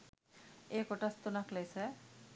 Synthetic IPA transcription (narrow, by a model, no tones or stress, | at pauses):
ekoʈast̪onaklejse